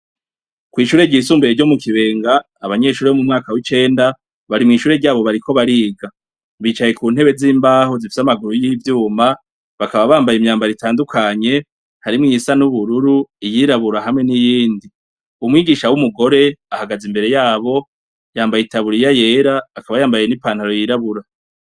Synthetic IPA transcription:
kwiːʃuːɾe̞ɾɟiːsuːmbeɾeɾɟo̞mukiβe̞ːŋɡaː | βaɲe̞ʃuːɾeβomumŋaːkawit͡ʃe̞ːnda | βaɾimŋiːʃuːɾe̞ɾɟaːβo̞βaɾikʰo̞βaɾiːɡa | βit͡ʃaje̞kuːn̥he̞βe̞ziːmbaːhozifi̥samaɡuɾujivjuːma | βakaβaβaːmbajimɲaːmbaɾitaːndukʰaɲe̞ | haɾimŋisanuβuɾuɾuijiɾaβuɾaɦamŋe̞nijiːndi | umŋiːɡiːʃawumuɡo̞ɾe̞ahaɡazimbe̞ɾe̞jaːβo̞ | jaːmbajitaβuɾijaje̞ːɾaːkaβajaːmbaje̞nipaːn̥haɾo̞jiɾaβuɾa

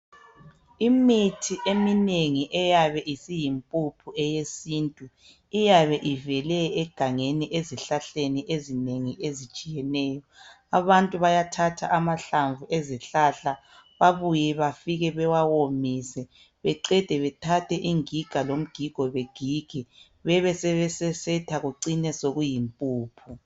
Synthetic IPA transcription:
imitʰiʔemineŋiʔɛjaβɛʔisijimpʼupʰuɛjesiːntʼu | ijaβɛʔivɛlɛːɡ̥ʱaŋeniʔeziɬaɬeniʔezineŋiʔezit͡ʃʼijɛnɛːjɔ | aβantʼuβajatʰatʰa̰ʔamaɬaɱvuʔeziɬaɬa | βaβujɛβafiɣɛβɛwawomisɛ | βɛǀɛd̥ʱɛβɛtʰatʰɛʔiŋiɡ̥ʱalom̩ɡ̥ʱiɡ̥ʱɔβeɡ̥ʱiɡ̥ʱɛ | βɛβɛsɛβɛsɛsɛtʰaɣuǀinɛsoɣujimpʼuːpʰu

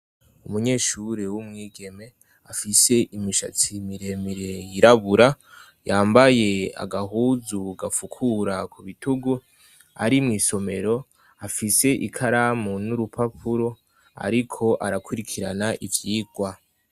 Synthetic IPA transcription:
umuɲe̞ːʃuɾewumŋiːɡe̞me̞ | afise̞ʔimiʃa̰t͡simiɾe̞miɾe̞jiɾaβuɾa | jaːmbaje̞a̰ɡaɦuːzuɡafukʰuɾakʰuβituɡu | a̰ɾimŋiːso̞me̞ɾo̞ | afise̞ʔḭkʰaɾamonuɾupʰapʰuɾo̞ | a̰ɾikʰo̞ʔaɾakʰuɾikʰiɾa̰naʔivjiːɡ̥wa

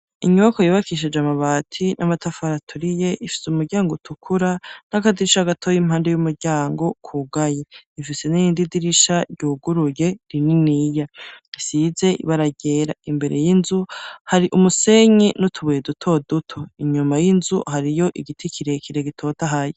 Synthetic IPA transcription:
iɲuβakojiβakiʃ̬ed͡ʒamaβaːtʰinʔamatʰafaɾatʰuɾije̞ʔifi̥seumuɾɟaːŋɡotʰukʰuɾan̥akadiɾiʃaɡatʰoːjim̥haːnde̞jumuɾɟaːŋɡo̞kʰuɡajeifise̞nijiːndidiɾiʃaɾɟuːɡuɾuje̞ɾininijaisize̞ḭβaɾaɟe̞ːɾaimbe̞ɾe̞̰jinzuhaɾiʔumuse̞ɲenutʰuβujedutʰo̞dutʰoiɲumajinzuhaɾijo̞ʔiɡitʰikʰiɾe̞kiɾe̞ɡitʰo̞ːtaɦaje

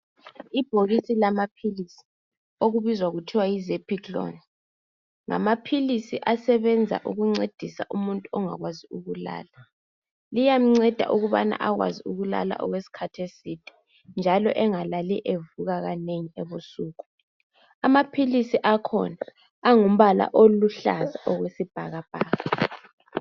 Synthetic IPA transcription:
ib̥ʱoɣisilamapʰilisi̥ | oɣuβizwaɣutʰiwajizepʰiklo̰nɛ | ŋa̰mapʰilisiʔasɛβɛnd͡zʱa̰ʔuɣuŋ͡ǀed̥ʱisa̰ʔumuntʼuɔŋa̰ɣwaziuɣula̰ːla | lijam̩ŋ͡ǀɛd̥ʱa̰ʔuɣuβana̰ʔaɣwa̰ziuɣula̰la̰ʔɔɣwesi̥kʰatʰesid̥ʱʼɛ̥ | nd͡ʒʱalɔ̰ʔɛŋalaliʔevuɣaɣaneŋiɛβusuːɣu | amapʰilisiʔakʰɔ̰naː | ŋum̩βala̰ʔoluɬa̰zaʔɔɣwesib̥ʱaɣab̥ʱaːɣa

